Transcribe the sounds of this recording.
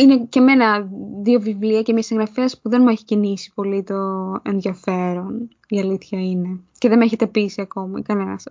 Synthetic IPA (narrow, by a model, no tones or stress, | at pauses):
ine̞ce̞me̞nɐðio̞vivliɐcemiɲɐsĩŋɣɾɐfeɐspuðe̞nmueçi̥cinisi̥po̞lit̪o̞e̞nðjɐfe̞ɾo̞n | iɐliθçɐine̞ceðemeçe̞t̪e̞pisiɐko̞mɐkɐne̞nɐ̰s